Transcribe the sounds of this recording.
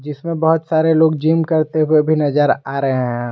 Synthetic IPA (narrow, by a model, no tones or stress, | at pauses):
d͡ʒɪsmẽbɐɦʊt̪saːɾeloːɡd͡ʒiːmkɐɾt̪eɦʊwebʱinɐzəɾaːɾəɦeɦɛ̃